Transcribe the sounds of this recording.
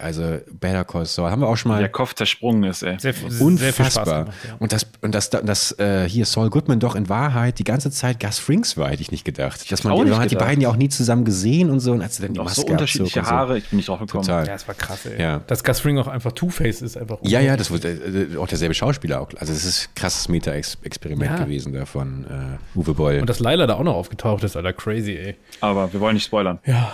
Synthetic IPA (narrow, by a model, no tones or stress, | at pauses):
ʔalzob̥ɛɾɐkʰɔsɔːhabmviːɐaʊxʃoːnmaːldeɐkʰɔp͡ft͡sɛɐʃpʁ̥ʊŋɪstʔɛʊnnɐfasb̥aːɐʔʊntd̥asʊnt̚d̥asd̥d̥asʔɛːhiːɐsɔlɡʊtmandɔχɪnvaːɐɦaɪt̚d̥iːɡant͡sət͡saɪt̚ɡ̥asfʁɪŋsv̥aːɐhɛtəɪçnɪçtɡ̥əda̰χtd̥asmanːhatd̥ibaɪdnjaːʊxniːt͡suzamənɡəzeːənʊntz̥oːʊntʔalsd̥udandimasoʊntɐʃiːlɪəhaːʁəɪçb̥ɪnːɪçd̥ʁaʊfɡ̥ətkʰoɔmtʰaːlsakʁ̥asɛjaːd̥asɡ̥asfʁɪŋaʊxʔa̰ɪnfaχtʰuːfɛɪsɪstʔaɪnfaχjaːjaːdasv̥ʊa̰ʊxd̥eːɐzɛlbəʃaʊʃpiːlɐa̰ʊxlʔa̰lzodasɪstkʁ̥asə̥smeːtʰaɛsʔɛkspʰɛʁimɛntɡəvḛːzn̩dafɔnʔɛ̰ːʔuːvəbɔlʊntd̥aslaɪlɐdaːaʊxnɔχʔaʊɡ̥ətʰaʊxtɪstʔalɐkʁ̥ɛɪziɛːʔaːbɐviːɐvɔlənɪçtspɔʏlɐnjaː